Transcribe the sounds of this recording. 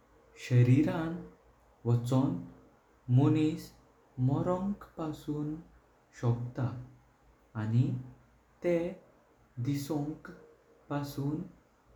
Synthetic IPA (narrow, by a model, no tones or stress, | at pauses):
ɕəɾiɾãn | ʋət͡sɔ̃n | monis | mɔɾɔ̃ŋkpasuːn | ɕɔkt̪aː | ni | t̪e | d̪isɔ̃ŋk | pasuːn